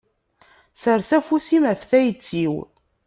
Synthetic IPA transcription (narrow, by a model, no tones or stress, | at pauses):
səɾsæfusimæfθæjət͡sːiw